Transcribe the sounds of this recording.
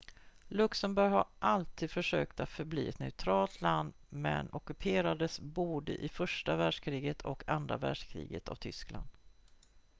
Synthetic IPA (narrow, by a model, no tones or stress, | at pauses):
lɵksəmbɔɾjhaɾʔalt̪ʰiːd̪fœʂøːkt̪at̪fœɾblḭːɛt̪nɛʊt̪ʰɾɑːlt̪ʰland̪ | mɛ̰nɔkɵpʰeːɾad̪əsbuːɖə̰ʔɪfœʂʈavæɖʂkʰɾiːɡət̪ʰɔkʰand̪ɾa̰væ̰ːɖʂkʰɾḭːɡə̰t̪ʰa̰vt̪ʰʏskla̰nd̪̥